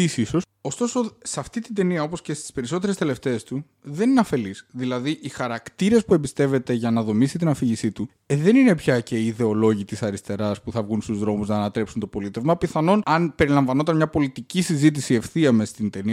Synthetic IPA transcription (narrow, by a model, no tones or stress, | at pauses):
isiso̞so̞st̪o̞so̞sɐft̪it̪ind̪e̞niɐo̞po̞sce̞st̪i̥spe̞ɾiso̞t̪e̞ɾest̪ele̞ft̪e̞ːst̪u | ðe̞nineɐfe̞lisðilɐðiʔixɐɾɐkt̪iɾe̞spue̞mbist̪e̞ve̞t̪e̞ʝɐnɐðo̞misit̪̬inɐfiʝisit̪u | ðe̞nine̞pçɐce̞iiðe̞o̞lo̞ʝit̪isɐɾist̪e̞ɾɐspuθɐvɣunst̪uzðɾo̞muznɐːnɐt̪ɾe̞psunt̪o̞po̞lit̪e̞vmɐpiθɐno̞nɐnpe̞ɾilɐɱvɐno̞t̪ɐnmɲɐpo̞lit̪icisizit̪̬isie̞fθiɐmest̪ind̪e̞niɐ